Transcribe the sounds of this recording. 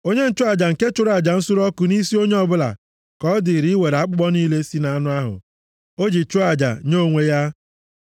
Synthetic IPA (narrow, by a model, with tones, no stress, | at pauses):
o˦ɲe˦n̩˦t͡ʃʊ˦a˨d͡ʒa˨ŋ̩˨ke˦t͡ʃʊ˦ɾa˨d͡ʒa˨n̩˦sʊ˦ɾɔ˦kʊ˨ni˦si˦o˦ɲe˦ɔ˦bʊ˦la̰˨ | kɔ˨˦dɪ˨ɾi˨˦we˨ɾa˦k͡pʊ˦ɡ͡bɔ˦ni˦le˦si˦na˨a˦nʊ˦a˦ɦʊ̰˨ | o˦d͡ʒi˨t͡ʃʊ˦a˨d͡ʒa̰˨ɲo˦˨ŋʷe˦ja˦